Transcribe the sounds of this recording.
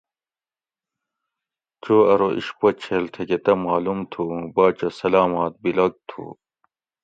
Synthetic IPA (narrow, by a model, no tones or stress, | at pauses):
t͡ɕoːɐɾoʔḭɕpɐt͡ɕʰeːlt̪ʰeket̪ɐmaːlumt̪ʰubaːt͡ɕɐsɐlaːmaːt̪̚bilɐɡ̚t̪ʰṵː